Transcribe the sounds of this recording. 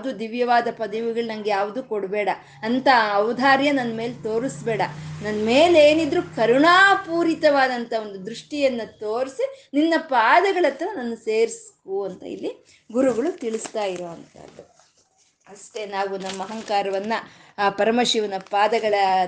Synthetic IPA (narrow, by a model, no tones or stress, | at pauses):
d̪uːd̪iʋjɐʋaːd̪ɐpɐd̪ɐʋiɡɐɭunɐŋɡejaːʋud̪uːkoɽbɛːɽɐː | nt̪ɐːʋwd̪ʱaːɾjɐnɐnːɐme̞ːlet̪o̞ːɾisbɛːɽɐnɐnːme̞ːleːnid̪ɾukɐɾuɳaːpuːɾit̪ɐʋaːd̪ɐnt̪ʰɐo̞nd̪ud̪ɾuʂʈijɐnːɐt̪oːɾisininːɐpaːd̪ɐɡɐɭɐt̪ːɐɾɐnɐnːuseːɾiskuɐnt̪ɐ̰ḭlːi | ɡuɾuɡɐɭut̪iɭist̪aːjiɾo̞ːɐnt̪ɐ̰ːd̪u | ɐst̪e̞naːʋunɐmːɐɦɐŋkaːɾɐʋɐnːɐ | pɐɾɐmɐʃiʋɐnɐpaːd̪ɐɡɐɭɐ